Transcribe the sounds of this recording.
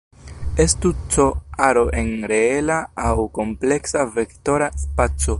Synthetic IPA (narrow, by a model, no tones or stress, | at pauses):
estut͡so̞aɾo̞ʔe̞nɾe̞elaːwko̞mple̞ksave̞kto̞ɾaspat͡so̞